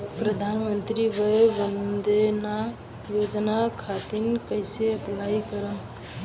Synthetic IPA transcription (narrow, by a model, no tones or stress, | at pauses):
pɾəd̪ʱanmənt̪ɾibəbənd̪ena | jod͡ʒnakʰat̪inkəɪseəplajkəɾə